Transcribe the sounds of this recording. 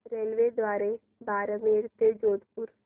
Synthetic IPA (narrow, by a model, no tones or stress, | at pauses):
ɾeːlʋeːd̪waːɾe | baːɾəmeːɽt̪ed͡ʒoːd̪pʊɾ